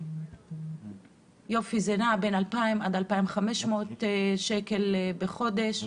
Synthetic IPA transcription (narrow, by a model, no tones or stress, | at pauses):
jo̞fizenabenalpaimʔad̪alpaimχameʃmo̞t̪ʃekelbeχo̞de̞ʃ